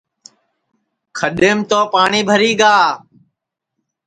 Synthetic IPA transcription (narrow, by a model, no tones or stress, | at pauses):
kʰəɗeːmt̪oːpaːɳiːbʱəɾiːɡaː